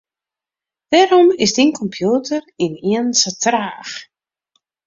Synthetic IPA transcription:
d̥ɛːɾɔmɪsdinkʰɔmpʰjuːtʰəriniənsətraːx

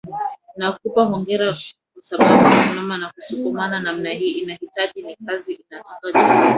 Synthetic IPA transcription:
nakupahɔŋɡɛɾa | kwasaɓaɓunasimamanakusukumananam̩nahiːʔinahitaʄinikaziʔinatɔkaʄu

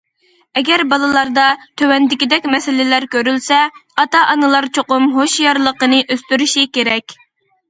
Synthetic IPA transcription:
ɛɡʲɛɾbɑlˠɨlˠɑɾd̪ɑt̪ʰøwɛnd̪ɪkʲid̪ɛkʲmɛsɪlɪlæɾkʲøɾylsɛɑt̪ɑʔɑnɨlˠɑɾt͡ʃʰoqʊmɦoʃjɑɾlˠəqənɨʔøst̪yɾyʃikʲeɾɛkʲ

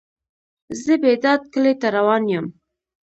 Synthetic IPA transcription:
zəbed̪ɑd̪̚kəlet̪aɾawɑnjəm

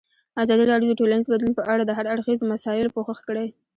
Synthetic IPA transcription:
azɑd̪iɾɑɽjod̪əʈolanizbad̪lunpəʔaɽad̪əɦaɾaɽxizomasɑɪlpoxəxkəɽaj

